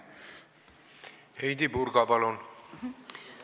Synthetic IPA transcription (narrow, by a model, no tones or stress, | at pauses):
ejt̪ibuɾkɔpalon